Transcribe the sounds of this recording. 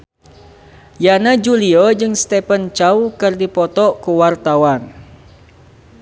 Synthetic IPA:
janad͡ʒuliɔd͡ʒɨŋst̪ɛpənt͡ʃawkɨrdipɔt̪ɔkuwart̪awan

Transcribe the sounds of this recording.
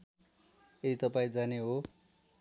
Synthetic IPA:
jed̪it̪ʌpaĩd͡zaneɦo

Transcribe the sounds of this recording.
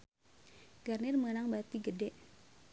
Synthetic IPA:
ɡ̥arnɪrməŋənaŋbat̪iɡədɛʔ

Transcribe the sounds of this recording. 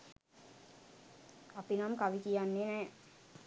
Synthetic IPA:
apinamkaʋikijanːenɛː

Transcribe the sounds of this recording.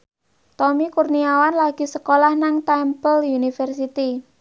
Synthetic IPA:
t̪ɔmikurniawanlaɡ̥i̤səkolahnaŋt̪ampəljunifɛrs̬it̪i

